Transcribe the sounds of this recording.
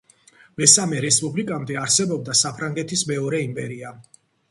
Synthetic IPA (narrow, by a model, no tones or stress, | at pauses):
mɛsamɛɾɛspʼublikʼamd̪ɛaɾsɛbɔb̚d̪asapʰɾaŋɡɛt̪ʰismɛɔɾɛimpʼɛɾia